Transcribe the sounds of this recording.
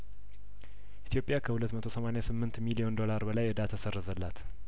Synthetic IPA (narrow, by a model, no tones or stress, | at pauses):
ʔʔit̪ʰjo̞pʼːjakʰəhulət̪ːmət̪ʰosəmanejasɨmːɨnt̪milio̞nd̪o̞laɾbəlajɨd̪at̪ʰːasərːəzəlːat̪